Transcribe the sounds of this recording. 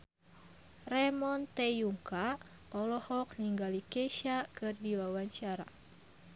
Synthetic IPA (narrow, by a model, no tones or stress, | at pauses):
rɛmɔnt̪ejuŋka | ʔɔlɔhɔk̚niŋɡalikɛʃakɨrdiwawaɲt͡ʃaɾa̰